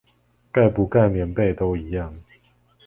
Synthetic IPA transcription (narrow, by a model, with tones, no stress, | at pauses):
ka˥˩ɪpu˨˦ka˥˨ɪmjɛ˨˧˥npe˥˨ɪt̪o˦ʊi˨˦jɑ˥˨ŋ